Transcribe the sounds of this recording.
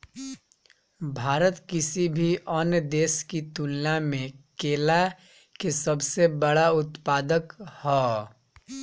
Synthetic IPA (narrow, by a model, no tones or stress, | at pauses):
bʱaːɾət̪kɪsibʱiʔɔnjəd̪eːskit̪ulnamẽkeːla | kesəbsebəɽaʊt̪paːd̪əkhɔː